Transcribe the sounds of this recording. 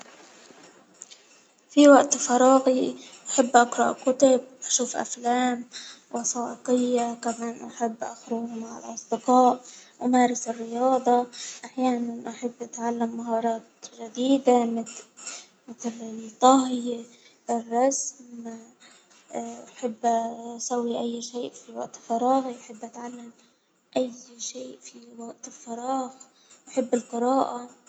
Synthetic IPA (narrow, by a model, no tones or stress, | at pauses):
fiwaʔt̪fɑɾˤɑːɣiʔaħɪbːʔaqɾˤɑʔkʊt̪ʊb̚ʔaʃuːfʔa̰flaːmwʔɑsˤɑːʔɪqɪjːakamaːnʔaħɪbːʔaxɾʊhmaʕa̰lʔɑsˤd̪ɪqɑːʔʔamaːɾˤɪsɪrːɪjɑːd̪ˤɑʔaħjaːnanʔaħɪbːʔat̪ʕalːamːaɦɑːɾˤɑːt̪ʒad̪iːd̪amɪ | mɪt̪lɪlt̪ˤːɑɦje | ɪrˤːɑsm | ʔaħɪbːsawːiʔajːʃeːʔfiwaʔt̪ɪlfɑɾˤɑːɣiʔaħɪbːʔat̪ʕalːam | ʔajʃeːʔfiwaɡt̪ɪlfɑɾˤɑːɣ | ʔaħɪbːɪlqɨɾɑːʔa